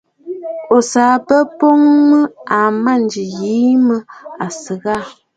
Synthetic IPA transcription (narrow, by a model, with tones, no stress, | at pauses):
o˨saː˨pə˦po˦ŋmə˦a˨ma˦˨n˨d͡ʒi˨ji˨˦mə˦a˨sə˨ɣa˦˨